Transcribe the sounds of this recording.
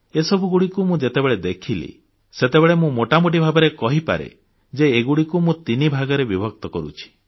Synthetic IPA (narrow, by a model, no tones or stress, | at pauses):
esɔbʱuɡuɽikumũd͡ʒet̪ebeɭed̪ekʰilḭ | set̪ebeɭemũmoʈamoʈ̬ibʱabɔɾekɔɦipa̰ɾḛ | d͡ʒeːɡuɽikumũt̪inibʱaɡɔɾebibʱɔk̚t̪ɔkɔɾṵt͡ʃʰi̥